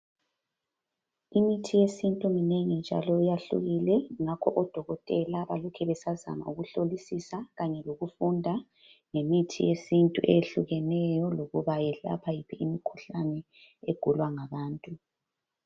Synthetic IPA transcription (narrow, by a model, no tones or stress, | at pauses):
imitʰijesintʼumineŋind͡ʒʱa̰lɔujaɬṵɣilɛŋakʰɔʔɔd̥ʱɔɣɔtʼɛlaβalɔkʰɛβɛsaza̰ma̰uɣuɬolisisaɣaɲɛloɣufundʱa | ŋemitʰḭjesintʼuʔeɬuɣɛnɛjɔloɣuβajɛɬa̰pʰajipʰiimikʰuɬanɛ | eɡ̥ʱulwaŋaβaːntʼu